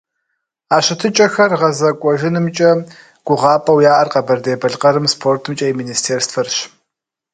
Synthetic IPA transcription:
aːɕɪtʰɨt͡ʃʼɐxɐrʁɐzɐkʷʼɔʒɪnɨmt͡ʃʼɐ | ɡ̥ʷʊʁɑːpʼɐwjaːʔɐrqɐbɐrdeːbɐɮqɐɾɨmspʰoːrtʰɨmt͡ʃʼɐjiminiːstʰeːrstfɐrɕ

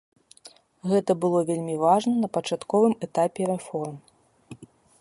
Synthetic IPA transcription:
ɣɛt̪ɐbɨlˠɔvʲelʲmʲivaʐnɐnɐpɐt͡ʂat̪kɔvɨmɛt̪apʲɛɾɛfɔrm

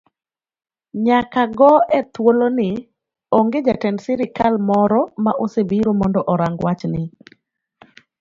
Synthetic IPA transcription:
ɲakaɡɔɛt̪wolonɪ | oŋɡed͡ʒatɛndsɛɾɪkalmɔɾɔmaʔosebiɾomɔndɔʔɔɾaŋɡwat͡ʃnɪ

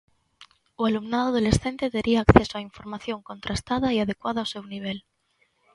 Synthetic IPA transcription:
ualumnaðoðole̞sθe̞nt̪e̞ðeɾʔiaːkθe̞soaiɱfo̞ɾmaθjo̞ŋko̞nt̪ɾast̪að̞aiaðe̞kwaðaase̞wniβ̞e̞l

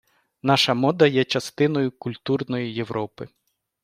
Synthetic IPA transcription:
nɑʃɐmɔd̪ɐjɛt͡ʃɐst̪ɪnɔjʊkʊlʲt̪urnɔjije̞ʋɾʔɔpɪ

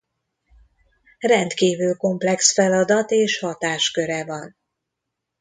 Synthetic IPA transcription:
rɛnt̪kiːvyːlko̞mplɛksfɛlɒd̪ɒt̪eːʃhɒt̪aːʃkø̞ɾɛvɒn

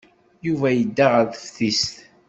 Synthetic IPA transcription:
juvæjəd̪ːaʁəɾðəfθist̪

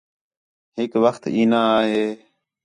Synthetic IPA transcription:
hɪkʋəxt̪iːnaːɦeː

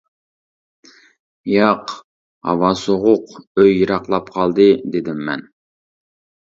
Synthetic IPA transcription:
jɑq | ɑ̰wɑsoʁʊqøjːɨɾɑqlˠɑpqʰɑlˠd̪ɨd̪ed̪ɪmːɛ̰n

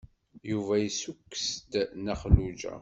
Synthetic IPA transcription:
juvæjisukːə̥sd̪nəχlud͡ʒæ̰

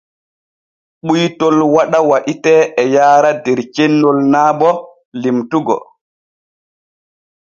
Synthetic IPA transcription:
ɓujtɔlwaɗawaɗitɛʔɛjaːɾadɛɾt͡ʃenːɔlnaːbɔ | limtuɡɔ̰

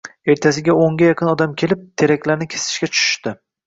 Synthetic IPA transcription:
e̞ɾt̪ʰas̬ɪɡʲaoŋɡʲajaqʰɨnɒd̪amkʲʰe̞lɪp̚t̪ʰe̞ɾakʲlaɾnɪkʲʰe̥sɪ̥ʃkʲat͡ʃʰʊ̥ʃʊ̥ʃt̪ɪ

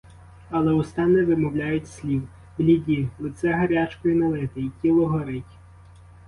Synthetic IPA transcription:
ɐlˠɛʊst̪ɑnɛʋɪmɔwlʲajʊtʲsʲlʲiw | blʲidʲilˠɪt̪sɛɦɐɾʲat͡ʃkɔjinɐlˠɪt̪ɪitʲilˠɔɦɔɾɪtʲ

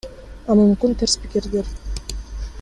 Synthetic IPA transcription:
ɑmumkynt̪ʰeɾspikeɾd̪eɾ

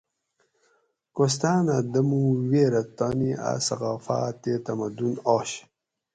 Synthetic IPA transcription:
kost̪aːnad̪ɐmuweːɾɐt̪aːnia̰sɐɣaːfa̰ːt̪eːt̪ɐmɐd̪unoːɕ

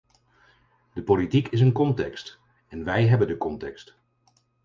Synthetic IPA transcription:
dəpolitikɪs̬ənkɔntɛkst | ɛnʋɛjɦɛbəndəkɔntɛkst

